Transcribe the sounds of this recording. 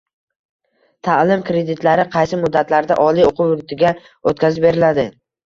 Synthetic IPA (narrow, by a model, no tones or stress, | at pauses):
t̪ʰalɪmkɾe̞d̪ɪt̪ʰlaɾɪqʰɑjsɪmʊd̪ːat̪ʰlaɾd̪a̰ʔɒlioqʰʊwʊd̪t̪ʰɪɡʲa | ot̪̚kʲʰazɪp̚be̞ɾɪlad̪ɪ